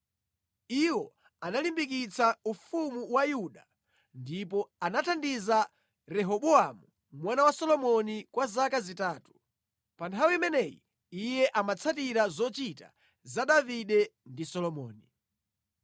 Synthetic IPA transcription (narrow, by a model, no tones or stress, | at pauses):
iwɔ | analimbik̬it͡saufumuwajuɗa | ndipɔanatʰandiza | ɾɛɦɔɓɔamu | mwanawasɔlɔmɔnikwazakazitaːtu̥ | pantʰawiimɛnɛjḭ | ijɛʔamat͡sʰat̬iɾazɔt͡ʃita̰ | zaɗaviɗɛndisɔlɔmɔːni